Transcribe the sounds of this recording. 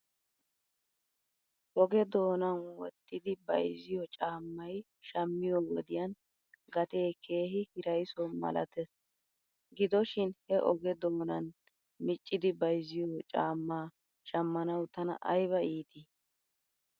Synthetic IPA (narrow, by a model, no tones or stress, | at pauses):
ʔɔɡɛd̪o̞ːnɐnwɔ̰t̪ːɪd̪ɪbɐ̰jzɪjɔt͡ʃʼaːmːɐj | ʃɐmːɪjɔwɔ̰d̪ɪjɐn | ɡɐt̪e̞ːkʰe̞ːɦɪhɪɾɐjsɔmɐ̰lɐ̰t̪ɛs | ɡɪd̪ɔʃɪnhɛʔɔɡɛd̪o̞ːnɐn | mɪt͡ʃʼːɪd̪ɪbɐjzɪjɔt͡ʃʼa̰ːmːaː | ʃɐmːɐnɐwt̪ɐnɐ̰ʔɐjβɐiːt̪i